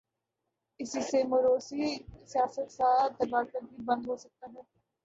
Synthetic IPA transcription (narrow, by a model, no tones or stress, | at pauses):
ɪsisemʊɾoːsisijaːsət̪saːt̪ɐbaːɾkɐɾbibɐ̃nd̪ɦosɐk̚t̪aɦɛː